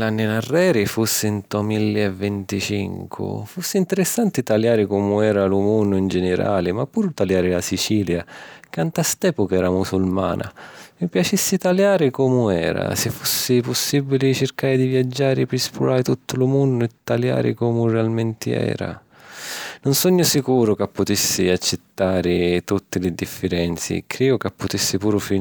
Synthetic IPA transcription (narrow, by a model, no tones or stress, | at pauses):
lanːɪnarːɛːɾɪfusːɪnt̪ɔmilːiɛvːɛnt̪it͡ʃḭŋkʰʊ̰fusːɪint̪ɛɾɪsːant̪ɪt̪aljaːɾɪkɔmʊɛːɾalumunːʊind͡ʒɛnɪɾa̰ːlɪmapːuːɾʊt̪aljaːɾɪlasit͡ʃiːljakant̪ast̪ɛːpʊkaɛːɾamusulma̰ːna̰mipjat͡ʃisːɪt̪aljaːɾɪkɔmʊɛːɾa̰sɪfːusːɪpʊsːibːilɪt͡ʃɪrkaːɾɪd̪ivjad͡ʒːaːɾɪpɾɪspuɾaːɪt̪ut̪ːʊlʊmunːʊɛt̪ːalja̰ːɾɪ̰kɔːmʊrɛalmɛnt̪ɪɛ̰ːɾa̰ | nʊnsɔɲːʊsikuːɾʊkapːʊt̪isːɪat͡ʃːɪt̪ːaːɾɪt̪ut̪ːɪlɪd̪ifːɪɾɛnt̪sḭkʰːɾiːʊkapːʊt̪isːɪpuːɾʊfi